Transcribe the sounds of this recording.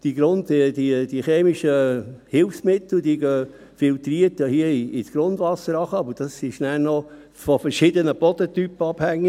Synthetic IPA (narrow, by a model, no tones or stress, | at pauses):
d̥iɡ̥ɾondidid̥iχeːmiʃəhɪlfsmɪt̪l̩d̪iɡøː | fɪːlt̪riːətjahiəiisɡ̥ɾond̪ʋɑsəɾɑχəɑbəd̥ɑsːiʃnænɔ | fɔfɛɾʃɪd̪ənəpɔt̪ot̪ypːəɑb̥hæŋːɪ